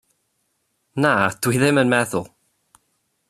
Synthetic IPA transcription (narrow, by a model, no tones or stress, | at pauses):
nad̥wiðɪmənmɛðʊlˠ